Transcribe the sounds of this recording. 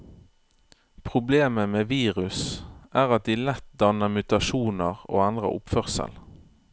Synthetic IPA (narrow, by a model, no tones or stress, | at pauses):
pʰʁʊbleːməmeːʋiːʁʉsʔæːʁɑt̪̚d̪iːlɛt̪̚d̪ɑnəmʉt̪ɑʃuːnəʁo̰ːænd̪ʁə̰ʔʊpfœʁsə̰l